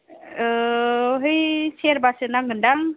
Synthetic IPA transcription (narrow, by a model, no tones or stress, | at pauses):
ɯɦɯjseɾbasɯnaŋɡɯndaŋ